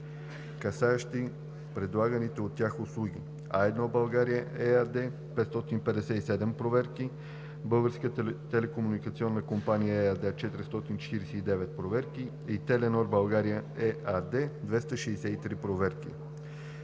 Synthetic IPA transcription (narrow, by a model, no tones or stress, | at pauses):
kɐsaɛʃt̪i | pɾɛd̪lˠaɡənit̪ɛot̪ːʲjaxoslˠuɡʲi | a̰ɛd̪nɔbɐlˠɡaɾijəɛad̪ɛ | pɛt̪st̪ɔt̪inpɛd̪ɛsɛisɛd̪ɛmpɾovɛɾki | bɤlˠɡəɾskət̪ɛlɛkomunikət̪siɔnːəkompanijəɛad̪ɛt͡ʃɛt̪iɾist̪ɔt̪int͡ʃɛ̥t̪iɾɛsɛid̪ɛvɛt̪̚pɾovɛɾki | it̪ɛlɛnɔɾbɐlˠɡaɾijəɛad̪ɛd̪vɛst̪əʃɛɛsɛit̪ɾipɾovɛɾkḭ